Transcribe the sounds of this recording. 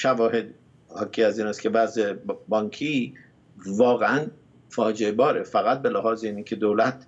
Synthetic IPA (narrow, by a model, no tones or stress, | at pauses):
ʃævɒːhed̪ | hɒːcʰiːæziːnæːskʲʰe̞væzebɒːŋkʰiː | vɒːɣeæn | fɒːd͡ʒeebɒːɾefæɣæt̪̚belæhɒːzeiːnicʰe̞d̪oːlæt̪̚ʰ